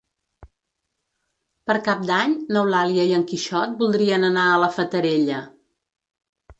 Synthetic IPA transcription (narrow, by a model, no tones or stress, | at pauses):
pəɾkap̚d̪aɲnəwlaliəiəŋkiʃɔt̪̚bulˠd̪ɾiənənaələfət̪əɾeʎə